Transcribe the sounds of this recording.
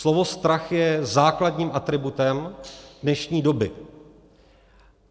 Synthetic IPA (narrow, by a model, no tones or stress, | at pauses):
lovo̞st̪ɾaxjɛzaːkladɲiːmʔat̪ɾɪbut̪ɛmdnɛʃɲiːdo̞bɪ